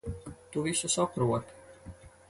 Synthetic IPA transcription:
t̪uvisusɔkɾuɔt̪

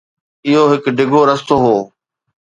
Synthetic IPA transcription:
ɪɦoɦɪkɖɪɡʱoɾɐst̪oɦoː

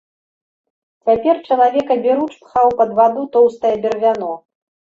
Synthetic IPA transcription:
t͡sʲapʲɛrt͡ʂɐlˠavʲɛkɐbʲiɾut͡ʂpxawpɐd̪vad̪ut̪ɔwst̪ɐjɐbʲɛrvʲanɔ

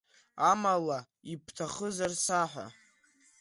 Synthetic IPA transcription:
amala | ipʰtʰaχəzarsaħʷᶣa̰

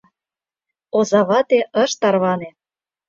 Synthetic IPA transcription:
ozɑβɑt̪eʔɤ̆ʃt̪ɑrβɑne

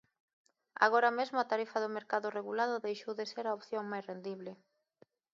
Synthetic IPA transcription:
a̰ɣ̞oɾamezmʊat̪aɾifaðʊmeɾkaðʊreɣulaðʊðejʃowðeseɾaopθjoŋmajsrend̪iβ̞lɪ

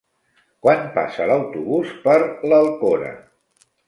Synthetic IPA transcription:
kwanpa̰sələwt̪uβuspəɾləlˠkonə̰

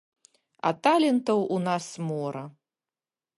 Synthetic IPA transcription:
a̰t̪alʲɛnt̪ɐwunasmɔɾɐ

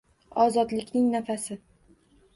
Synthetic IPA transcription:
ɒzɒd̪lɪkʲnɪŋnafasɪ

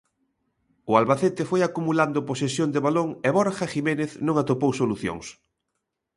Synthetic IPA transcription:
ʊalβaθet̪ɪfojakumuland̪ʊposesjond̪eβaloŋeβoɾxaximeneθnõŋat̪opowsoluθjo̰ŋs

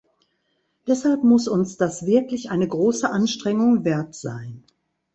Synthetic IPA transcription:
d̥ɛshalpmʊsʊnsd̥asv̥ɪɐklɪçʔaɪnəɡʁoːsəʔanʃtʁ̥ɛŋʊŋvɛɐtz̥a̰ɪn

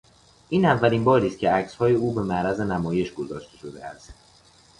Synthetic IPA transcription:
ʔiːnævːæliːmbɒːɾiːst̪̚cʰʲe̞æcshɒːje̞uːbe̞mæɾæze̞næmɒːje̞ʃɡozɒːʃt̪ʰe̞ʃo̞d̪ḛæs

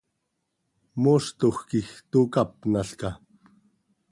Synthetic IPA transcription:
moːst̪oxkixt̪uːkap̚naɬka

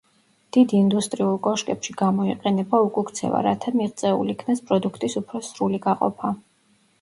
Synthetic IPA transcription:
d̪̥id̪ind̪ust̪ʼɾiulˠkʼɔʃkʼɛpʃiɡamɔiqʼɛnɛbaukʼukt̪sʰɛ̰va̰ɾa̰t̪ʰamiʁt̪sʼɛṵlikʰnaspʼɾɔd̪ukʰt̪ʼisupʰɾɔsɾuliɡaqʼɔ̰pʰa

